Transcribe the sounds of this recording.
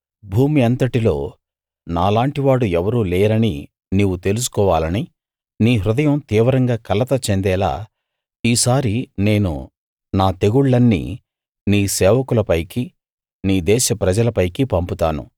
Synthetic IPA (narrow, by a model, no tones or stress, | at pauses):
bʱuːmiɐnt̪ɐʈilo̞ː | naːlaːɳʈiʋaːɽuɛʋɐɾuːlɛːɾɐni | niʋut̪e̞lus̬u̥kɔːʋaːlɐni | niːɦɾud̪ɐjɐmt̪iːʋɐɾɐŋɡaːkɐlɐt̪ɐt͡ʃe̞nd̪ɛːla̰ː | iːsaːɾine̞ːnṵ | naːt̪e̞ɡuɭːɐnːḭ | niːsɛːʋɐkulɐpɐjki | niːd̪ɛːʃɐpɾɐd͡ʒɐlɐpɐjkipɐmput̪aːnṵ